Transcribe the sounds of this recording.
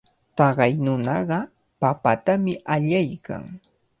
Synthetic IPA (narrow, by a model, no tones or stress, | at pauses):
t̪ɑɢɑjnʊnɑɢɑ | papat̪amɪʔaʎajkʰa̰ŋ